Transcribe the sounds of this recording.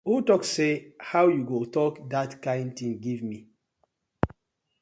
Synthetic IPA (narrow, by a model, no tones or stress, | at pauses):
hutɔksehawjuɡotɔkdatkãɪ̃ndtĩŋɡivmi